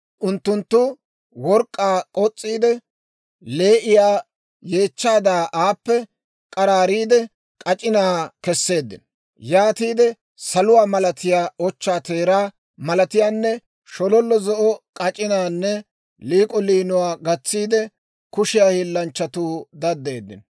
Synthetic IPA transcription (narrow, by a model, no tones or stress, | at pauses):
ʔʊnt̪ːʊnt̪ːʊ | wɔɾkʼːaːkʼɔt͡sʼːiːd̪ɛ | le̞ːʔɪjaː | je̞ːt͡ʃːaːd̪aːʔaːpːɛ | kʼɐɾaːɾiːd̪ɛ | kʼɐt͡ʃʼɪnaːkɛsːe̞ːd̪ːɪ̰n | jaːt̪iːd̪ɛ | sɐlʊwaːmɐlɐt̪ɪjaːɔt͡ʃːaːt̪e̞ːɾaː | mɐlɐt̪ɪjaːnːɛ | ʃɔlɔlːɔzɔʔɔkʼɐt͡ʃʼɪnaːnːɛ | liːkʼɔliːnʊwaːɡɐt͡sːiːd̪ɛ | kʊʃɪjaːhɪlːɐnt͡ʃːɐt̪uːd̪ɐd̪ːe̞ːd̪ːɪ̰n